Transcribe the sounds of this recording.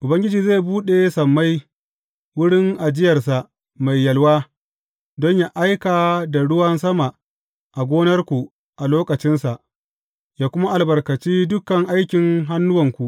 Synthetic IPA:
ʔʊ˨bɐ˦ŋɡʲɪ˦d͡ʒiː˨zeː˦˨buː˦ɗeː˨sɐ˨mːa˦j | wʊ˦ɽɪ˦ŋʔa˨d͡ʒɪ˦jɐ˨rsa˨ʔ | ma˨jːɐ˨lwaː˦ | dɔ˦ɲja˦ʔa˦jkaː˨da˨ɽʊ˦wɐ˦nsɐ˦ma˨ | ʔa˨ɡʷoː˦nɐ˦rkʷu˨ | ʔa˨loː˦kɐ˨t͡ʃɪ˦nsa˨ʔ | jaː˦kʷʊ˦ma˦ʔa˨lbɐ˨rkɐ˨t͡ʃiː˦dʊ˦kɐ˨ŋʔa˦jkʲɪ˨ŋɦa˦nːʊ˦wɐ˨ŋkʷu˨ʔ

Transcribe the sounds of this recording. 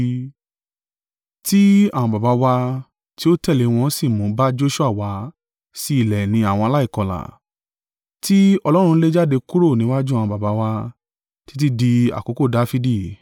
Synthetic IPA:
ti˦a˨w̃ɔ̃˧ba˨ba˨˦wa˧ | ti˦o˦tɛ˦˨le˨˦˧w̃ɔ̃˧˦si˦˨mũ˨˦ba˦d͡ʒo˦ʃu˦a˦˨wa˨˧˦ | si˦i˦˨lɛ˨nĩ˧a˨w̃ɔ̃˧a˧la˦i˦˨kɔ˧la̰˨ | ti˦ɔ˧lɔ˦ɾ̃ũ˧˦le˦d͡ʒa˦de˧ku˦ɾo˦˨nĩ˨˦wa˦d͡ʒu˦ã˨ɔ̃˧ba˨ba˨˧˦wa˧ | ti̥˦t̬i˦di˧a̰˨ko˨˦ko˦˨da˦fi˧di˦˨

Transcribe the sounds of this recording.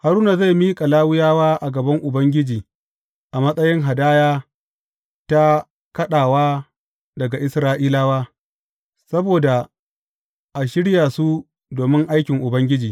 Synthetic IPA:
ha˨ɾuː˦na˨za˦˨jmiː˦kʼa˨laː˦wʊ˦jaː˦waː˦ʔa˨ɡɐ˨bɐ˦ŋʔʊ˨bɐ˦ŋɡʲɪ˦d͡ʒiː˨ | ʔa˨mɐ˦sʼɐ˦jɪ˦ŋɦa˨daː˦jaː˦ | ta˦ | kɐ˦ɗaː˨waː˦ | dɐ˨ɡa˨ʔɪ˦sɾaː˦ʔiː˦laː˦waː˦ | sɐ˦boː˨da˨ | ʔa˨ʃɪ˦ɽjaː˨su˦ | doː˨mɪ˦ŋʔa˦jkʲɪ˨ŋʔʊ˨bɐ˦ŋɡʲɪ˦d͡ʒiː˨

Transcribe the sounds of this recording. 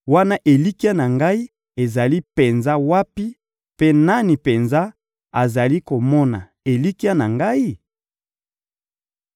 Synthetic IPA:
wa˦na˦ʔe˨li˦ki˦a˦na˨ŋɡa˦i˦ | e˨za˨li˦pe˨nza˦wa˦pi˦ | pe˦na˦ni˨pe˨nza˦ | a˨za˨li˦ko˨mɔ˦na̰˨ | e˨li˦ki˦a˦na˨ŋɡa˦i˦

